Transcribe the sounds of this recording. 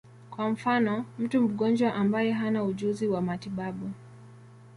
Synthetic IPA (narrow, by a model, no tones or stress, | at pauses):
kwam̩fanɔm̩tum̩ɠɔnd͡ʒwaʔambajɛɦanauʄuziwamatiɓaɓu